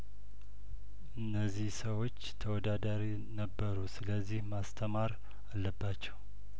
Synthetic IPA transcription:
ʔɨnːəzːihsəwo̞t͡ʃːt̪ʰəwɔd̪ad̪aɾi | nəbːəɾusɨləzːihmast̪ʰəmaɾ | alːəbːat͡ʃːɛw

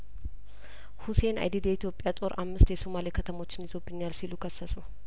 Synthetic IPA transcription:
huse̞na̰jd̪id̪jɛit̪ʰjo̞pʼːjat̪ʼo̞ɾʔa̰mːɨst̪jɛsomalekʰət̪ʰəmo̞t͡ʃːɪnjɪzo̞bːɨɲːalsilukʰəsːəsu

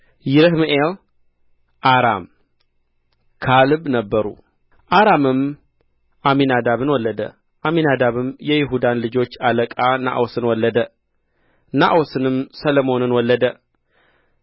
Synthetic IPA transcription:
jɪɾɨɦmʔel | ʔaɾa̰m | kʰalɨβnəbːəɾṵ | ʔaɾamɨm | ʔaminad̪aβɨnwɔlːəd̪ə̰ | ʔaminad̪aβɨmjɛjɪɦud̪anlɨd͡ʒo̞t͡ʃːaləkʼana̰ʔosɨnwɔlːəd̪ə | na̰ʔosɨnɨmsəlomo̞nɨnwɔlːəd̪ə

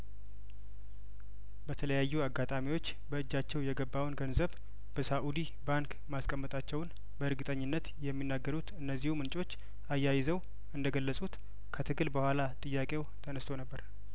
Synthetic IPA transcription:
bət̪ʰələjajːuaɡːat̪ʼamiwo̞t͡ʃː | bəɨd͡ʒːat͡ʃːɛwjɛɡəbːawnɡənzəβ | b̥əsaʔud̪i | baŋk | maskʼəmːət̪ʼat͡ʃːɛwn | bəɨɾɡɨt̪ʼəɲːɪnːət̪jɛmːinːaɡːəɾut̪ɨnːəzːihumɨnt͡ʃʼo̞t͡ʃː | ajːajɪzəw | ɨnd̪əɡəlːəsʼut̪ | kʰət̪ʰɨɡɨlbəhʷalat̪ʼɨjːakʼe̞wt̪ʰənəst̪ʰo̞nəbːəɾ

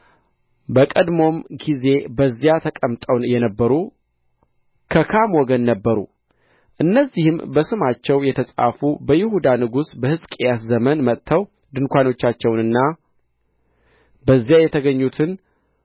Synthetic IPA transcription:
bəkʼəd̪mo̞mɡize̞bəzːjat̪ʰəkʼəmt̪ʼəwjɛnəbːəɾu | kʰəkʰamwɔɡənːəbːəɾṵ | ʔɨnːəzːihɨmbəsɨmat͡ʃːɛwjɛt̪ʰəsʼa̰fubəjɪhud̪anɨɡusbəhɨzkʼejaszəmənmət̪ʰːəw | d̪ɨnkʷano̞t͡ʃːat͡ʃːɛwnɨnːa | bəzːjajɛt̪ʰəɡəɲːut̪ʰɨn

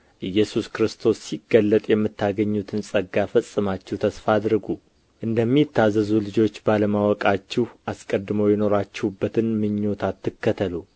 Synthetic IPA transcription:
ʔɨjːɛsuskɾɨst̪ʰo̞sːiɡːəlːət̪ʼjɛmːɨt̪ːaɡəɲːut̪ʰɨnsʼəɡafəsʼːɨmat͡ʃːɛht̪ʰəsfad̪ɾɨɡu | ʔɨnd̪əmːit̪ːazːəzulɨd͡ʒo̞t͡ʃːbaləmawɔkʼat͡ʃːɛhaskʼəd̪mojɛno̞ɾat͡ʃːɛwubːət̪ʰɨnmɨɲːo̞t̪ʰat̪ːɨkːət̪ʰəlu

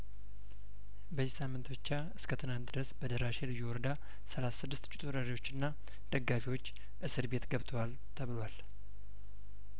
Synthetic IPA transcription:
bəzːisamːɨnt̪bɨt͡ʃːa | ɨskʰət̪ʰɨnant̪d̪ɨɾəsbəd̪əɾaʃelɨjːɛwɔɾəd̪a | səlasasɨd̪ːɨst̪t͡ʃʼit̪ʼuɾəɾiwo̞t͡ʃːɪnːa | d̪̥əɡːafiwo̞t͡ʃː | ʔɨsɨɾbe̞t̪ɡəβt̪ʰəwal | t̪ʰəβɨlwal

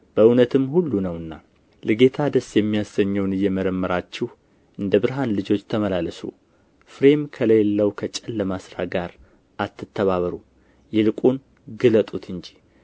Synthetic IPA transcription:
b̥əɨnət̪ʰɨmhulːunəwɨnːa | lɨɡe̞t̪ʰad̪əsjɛmːijasəɲːəwnɨjːɛməɾəmːəɾat͡ʃːɪh | ʔɨnd̪əβɨɾɦanlɨd͡ʒo̞t͡ʃːt̪ʰəməlaləsṵ | fɾe̞mkʰələjlːəwkʰət͡ʃʼəlːəmasɾa̰ɡaɾ | ʔat̪ːɨt̪ʰːəβaβəɾu | jɛlɨkʼun | ɡɨlət̪ʼut̪ʰɨnd͡ʒi

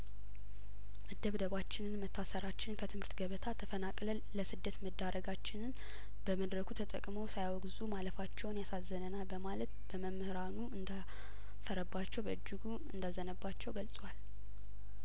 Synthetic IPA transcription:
ʔɨd̪ːəβd̪əβat͡ʃːɪnɨnmət̪ʰːasəɾat͡ʃːɪnkʰət̪ʰɨmhɨɾt̪ɡəβət̪ʰat̪ʰːəfənakʼləːəsɨd̪ːət̪məd̪ːaɾəɡat͡ʃːɪnɨn | b̥əməd̪ɾəkʰut̪ʰət̪ʼə̰kʼmowsajwɔɡzumaləfat͡ʃːɛwnjasazːənənabəmalət̪b̥əməmːɨhɨɾanuɨnd̪a | fəɾəbːat͡ʃːɛwbəʔɨd͡ʒːɪɡu | ɨnd̪azənəbːat͡ʃːɛwɡəlsʼwal

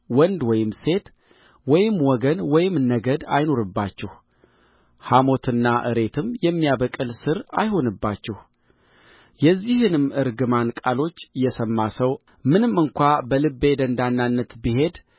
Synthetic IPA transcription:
wɔnd̪wɔjɪmse̞t̪ | wɔjɪmːwɔɡənwɔjɪmnəɡəd̪a̰jno̞ɾɨbːat͡ʃːɛh | hamo̞t̪ʰɨnːaʔɨ̰ɾe̞t̪ʰɨmjɛmːijaβəkʼɨlsɨɾa̰jho̞nɨbːat͡ʃːɛh | jɛzːihɨnɨmɨɾɡɨmankʼalo̞t͡ʃːjɛsəmːasəw | mɨnɨmːɨŋkʷʰabəlɨbːe̞d̪ənd̪anːanːət̪biɦe̞d̪

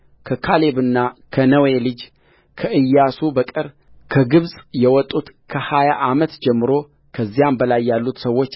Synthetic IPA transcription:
kʰəkʰale̞βɨnːakʰənəwelɨd͡ʒ | kʰəɨjːasubəkʼɨɾ | kʰəɡɨβsʼjɛwɔt̪ʼːut̪kʰəhajaʔamət̪d͡ʒɛmːɨɾo̞ | kʰəzːijambəlajːalːut̪səwːo̞t͡ʃː

